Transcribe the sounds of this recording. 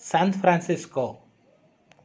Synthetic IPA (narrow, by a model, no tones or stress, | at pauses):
sãnfɾãnsɪsko